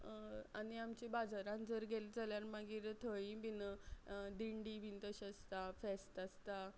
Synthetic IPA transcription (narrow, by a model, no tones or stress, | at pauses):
aniamt͡ɕibad͡zaɾãnd͡zəɾɡʱeld͡zaljaɾmaɡiːɾt̪ʰəibinəd̪iɳɖibint̪əɕəst̪afɛst̪əst̪a